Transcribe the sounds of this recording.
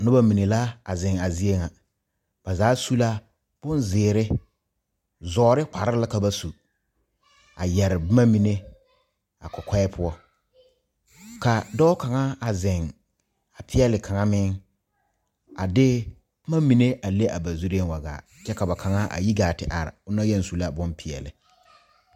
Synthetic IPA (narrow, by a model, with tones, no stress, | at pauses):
nʊ˦ba˦mi˨ne˨la˦a˨zɪ˨ŋa˨zi˦e˦ŋa˨ | b̥a˨zaː˨˦su˦la˦ | b̥ʊ˦nzɪː˨ɾɪ˦ | zɔː˨˦ɾɪ˦kʷa˨ɾɪ˦la˦ka˨ba˦su˨ | a˨jɛ˨ɾɪ˨bma˦mi˨ne˦ | a˨kɔ˨kʷɛ˦ɪ˦pʰʊ˦ɔ˦ | ka˨dɔ˦ʊ˦ka˨ŋa˦a˨zɪ˨ŋ | a˨pʰɪ˦ɛ˦lɪ˨kʰa˨ŋa˦mɪ˦ŋ | a̰˨dɪ˦ | bma˦mi˨ne˦ʔa˨le˦ʔa˨ba˨zu˦ɾi˦e˦n˨wa˨ɡa̰ː˨ | t͡ʃɛ˦ka˨ba˨kʰa˨ŋa˦ʔa̰˨ji˦ɡaː˨tɪ˨ʔa̰˨ɾɪ̰˨ʊ˦na˦jɛ˦n˨su˨la˦bʊ˦npʰɪ˨ɛ̰˨lɪ̰˨